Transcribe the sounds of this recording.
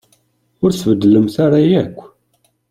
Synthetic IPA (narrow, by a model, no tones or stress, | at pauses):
ʊɾθvəd̪ːələmθaɾˤajækʷː